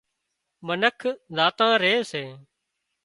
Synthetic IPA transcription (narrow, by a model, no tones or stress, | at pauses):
mənəkʰzaːt̪ãːɾeːseː